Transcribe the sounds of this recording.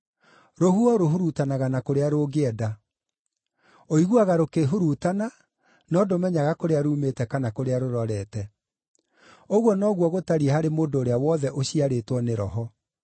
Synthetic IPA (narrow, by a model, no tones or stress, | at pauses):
ɾoɦuɔɾoɦuɾutanaɣanakoɾeaɾoɡeɛda | oiɣwaɣaɾokeɦuɾutana | nɔːdomɛɲaɣakoɾeaɾuːmetɛkanakoɾeaɾoɾɔɾɛtɛ | oɣwɔnɔɣwɔɣotaɾiehaɾemoːndoːɾeawɔðɛʔoɕiaɾetwɔneɾɔ̰ɦɔ